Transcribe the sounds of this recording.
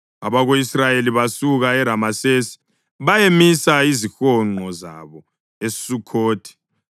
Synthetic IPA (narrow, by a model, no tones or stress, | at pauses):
a̰βaɣoisrajeliβasuɣaɛɾamasesi̥ | βajemisaizixɔŋ͡ǃɔza̰βɔ | esi̥sukʰoːtʰi̥